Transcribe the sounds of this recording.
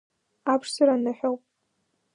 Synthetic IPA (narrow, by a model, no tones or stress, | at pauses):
apʰʂsɨɾanaħʷᶣowpʼ